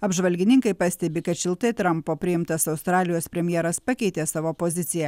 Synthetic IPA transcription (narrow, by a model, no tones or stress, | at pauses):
ɐbʒʋɐlʲɡʲɪnʲɪŋkɐɪpɐsʲt̪ʲɛbʲɪkɐt̪ʃʲɪlˠt̪ɐɪt̪ɾɐmpoːpʲɾʲɪɪmt̪ɐsɐʊst̪ɾɑːlʲɪjoːspʲɾʲɛmʲjɛːɾɐspɐkʲɛɪt̪ʲeːsɑːʋoːpoːzʲɪt̪sʲɪjɛ